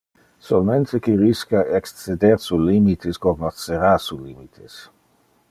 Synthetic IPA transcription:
solmẽnt̪ʰekiɾiskaʔekst͡sed̪eɾsulimit̪ʰeskoɡnoseɾasulimit̪ʰes

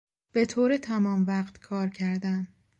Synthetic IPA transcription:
b̥e̞t̪ʰoːɾet̪ʰæmɒːmvæːqt̪kʰɒːɾcʰæɾd̪æn

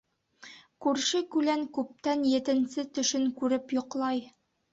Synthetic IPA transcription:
kʉɾʃɘkʉlæŋkʉp̚t̪ænjɘ̆t̪ɘ̆nsɘt̪ɵ̆ʃɘŋkʉɾɘpjŏqlˠɑj

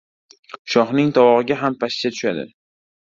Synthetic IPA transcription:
ʃɒχnɪŋt̪ʰɒwɒʁɨɡʲaɦampʰaʃt͡ʃat̪ʰʊ̥ʃad̪ɪ̰

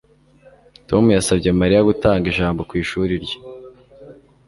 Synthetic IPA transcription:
tʰo̞mujasabɟemaɾijaɡutaːŋɡiʒaːmbo̞kwiːʃuːɾiɾjḁ

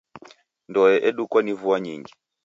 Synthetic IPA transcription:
ndɔjɛʔɛɗukwanivuaɲiŋɡi

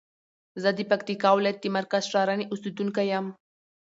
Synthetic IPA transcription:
zəd̪əpakt̪ikɑwɪlɑjat̪̚d̪əmaɾkazʂɑɾaneʔʊsid̪uŋkajam

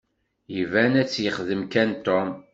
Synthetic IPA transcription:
jəvænæt͡sːjəχðəmkænt̪om

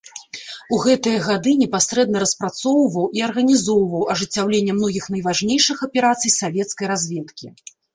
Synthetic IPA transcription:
uɣɛt̪ɨjɐɣad̪ɨnʲɛpasɾɛd̪nɐɾɐspɾat̪sɔwvɐwʔiɐrɣɐnʲizɔwvɐwɐʐɨt͡sʲːawlʲenʲːɐmnɔɣʲixn̪ɐjvaʐnʲejʂɨxɐpʲɛɾat̪sɨjsavʲɛt̪skɐjɾazʲvʲɛt̪kʲḭ

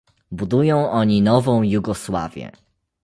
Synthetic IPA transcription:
bud̪ujɔ̃w̃ʔɔɲinɔvɔ̃w̃juɡɔswa̰vʲjɛ̰

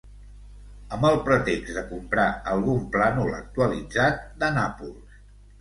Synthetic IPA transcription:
əmbəlˠpɾət̪eɡzd̪əkumpɾaəlˠɣumplanulə̰k̚t̪uəlid͡zat̪̚d̪ənapulˠs

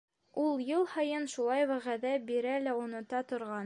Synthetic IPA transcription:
ulˠjɤlˠhɑjɤnʃulˠɑjwæʁæðæbiɾælæunŏt̪ɑt̪ŏɾʁɑn

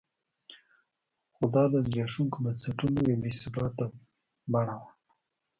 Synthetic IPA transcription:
xʊd̪ɑd̪əzɡɑʃuŋkobansaʈunojawesɪbɑt̪ːa | baɽawa

